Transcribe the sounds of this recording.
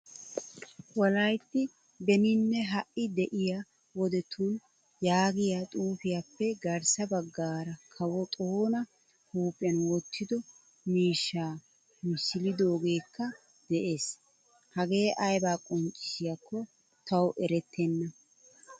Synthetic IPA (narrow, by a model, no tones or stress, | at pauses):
wɔlɐjt̪ːɪ | bɛnɪnːɛɦɐʔɪd̪ɛʔɪja | wɔd̪ɛt̪ʰuːn | jaːɡɪjat̪ʼuːfɪjapːɛɡɐɾsɐbɐɡːaːɾɐkʰɐwɔt̪ʼoːnɐ | huːpʼːɪɐnwɔt̪ːɪd̪ɔ | miːʃːaː | mɪsːɪlɪd̪o̞ːɡe̞ːkːɐ | d̪̥ɛʔe̞ːs | hɐɡe̞ːʔɐjbaːkʼɔnt͡ʃʼːɪ̥sɪjɐkːɔ | t̪ɐwʔɛɾɛt̪ʰːɛnːɐ